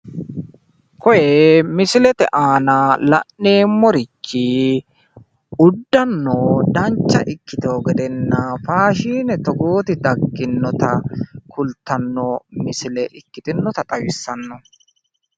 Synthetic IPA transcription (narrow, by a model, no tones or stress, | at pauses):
kɔjɛmɪsɪlɛt̪ɛʔaːnɐlɐ̰ʔne̞ːmːɔɾɪt͡ʃːɪ | ʊd̪ːɐnːod̪ɐnt͡ʃːɐ̰ʔɪkːɪt̪oːɡɛd̪ɛnːɐfaːʃiːnɛt̪ɔɡoːt̪ɪd̪ɐɡːɪnːɔt̪ɐkʊlt̪ːɐnːɔmɪsɪlɛʔɪkːɪt̪ɪnːɔt̪ɐt̪ʼɐwɪsːɐnːɔ